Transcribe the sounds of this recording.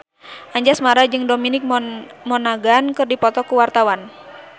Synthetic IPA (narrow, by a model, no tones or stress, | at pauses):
ʔaɲd͡ʒasmaɾad͡ʒɨŋdominɪk̚mɔnaɡankɨrdipɔt̪ɔkuwart̪awan